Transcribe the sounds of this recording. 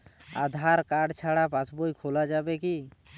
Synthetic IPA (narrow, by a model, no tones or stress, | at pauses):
a̰d̪ʱaɾkaɖt͡ʃʰaɽapãt͡ʃbojkʰolad͡ʒabɛki